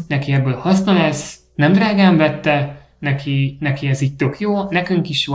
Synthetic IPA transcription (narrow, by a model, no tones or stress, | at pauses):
nɛkiɛbːøːlhɒsnɒlɛs | nɛmd̪raːɡaːɱvɛt̪ːɛ | nɛkʰinɛkiɛziːc̚t̪ø̞kjoːnɛkyŋkiʃjo